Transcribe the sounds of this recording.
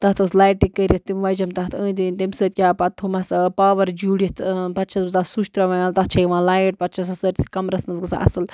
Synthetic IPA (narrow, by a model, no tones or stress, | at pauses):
t̪ɐt̪ɨslaːjʈikkːəɾʲɐt̪t̪imʋɐd͡ʒɐmt̪ɐɦt̪ə̃ːt̪inʲt̪imsɨːt̪̚ʲkʲaːpɐt̪ʰːumɐspaːʋɐɾd͡ʒuːɽjit̪ʰpɐt̪t͡ʃʰɐsbɨzasuʃt̪ɾɐʋɐalt̪ɐt̪̚t͡ʃʰɐjiʋãːlaːjʈ̚pɐt̪̚t͡ʃʰɐsɐsəʈʲsi̥kɐmɾɐsmɐnzɡɨsa̰ʔɐ̰sɨl